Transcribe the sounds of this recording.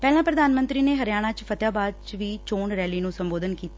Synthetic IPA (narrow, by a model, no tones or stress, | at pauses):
pɛːlãːpɾəd̪aːnmə̃nt̪ɾiːneːɦəɾjaːɽ̃ãːt͡ʃpʰət̪jaːbaːd̪̚t͡ʃʋiːt͡ʃoːɳɾɛːliːnũːsəmboːd̪ənkiːt̪a